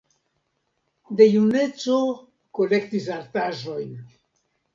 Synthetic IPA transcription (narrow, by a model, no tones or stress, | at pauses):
de̞june̞t͡so̞ | ko̞le̞ktisaɾtaʒo̞jn